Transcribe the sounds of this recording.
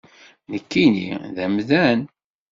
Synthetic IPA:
nəkːinḭðæmðæn

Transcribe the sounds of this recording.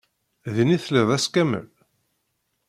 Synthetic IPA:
ðiniθleðˤæskæmə̰l

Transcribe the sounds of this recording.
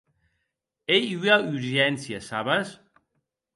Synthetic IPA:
ejyayɾʒɛnsjasaβas

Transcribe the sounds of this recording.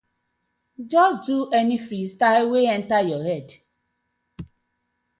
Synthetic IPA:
d͡ʒɔsduʔɛnifɾistaɦeweɛ̃n̩tajɔɦɛd

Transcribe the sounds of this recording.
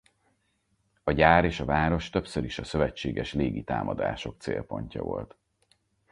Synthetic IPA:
ɒɟaːɾeːʃɒvaːɾo̞ʃt̪ø̞psøɾiʃɒsø̞vɛt͡ʃːeːɡɛʃleːɡit̪aːmʔɒd̪a̰ːʃo̞k̚t̪sḛːlpo̞ɲcɒ̰vo̞lt̪

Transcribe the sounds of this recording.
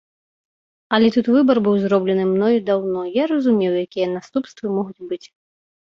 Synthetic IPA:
ɐlʲɛt̪ut̪vɨbɐrbɨwzɾɔblʲɛnɨmnɔjud̪awnɔjaɾɐzumʲɛwjakʲijɛnast̪upst̪vɨmɔɣud͡zʲbɨt͡sʲ

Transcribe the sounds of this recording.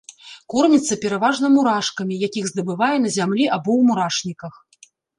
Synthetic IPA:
kɔrnʲit̪sːɐpʲɛɾavaʐnɐmuɾaʂkɐmʲijakʲiɣzd̪ɐbɨvajɛn̪ɐzʲamlʲiʔabɔwmuɾaʂnʲikɐx

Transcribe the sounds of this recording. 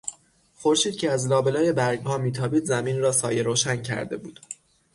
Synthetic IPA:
xoɾʃiːd̪̥̚cʰeæzlɒːbe̞lɒːje̞bæɾɡhɒːmiːt̪ʰɒːbiːd̪zæmiːnɾɒːsɒːjeɾoːʃæncʰæ̰ɾd̪e̞̰bṵːd̪̥

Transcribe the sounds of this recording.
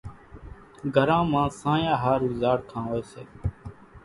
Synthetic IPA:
ɡʱəɾãːmãːsãːjãːɦaːɾʋɪzaːɽkʰãːʋəeːseː

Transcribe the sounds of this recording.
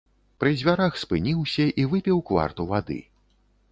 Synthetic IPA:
pɾɨzʲvʲaɾaxspɨnʲiwsʲɐʔivɨpʲiwkva̰rt̪uvad̪ɨ̰

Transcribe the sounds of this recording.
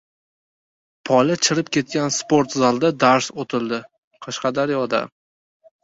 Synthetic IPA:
pʰɒlɪt͡ʃʰɪɾɪpkʲʰe̞t̪̚kʲanspoɾt̪zalˠd̪ad̪aɾsot̪ʰɪld̪ɪ | qʰɑʃqɑd̪aɾjɒd̪a̰

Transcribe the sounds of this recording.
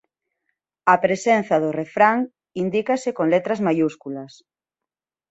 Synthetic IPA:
ɐpɾesen̟θɐðorefɾaŋ | ind̪ikasɪkoŋlet̪ɾɐzmajuskulɐs

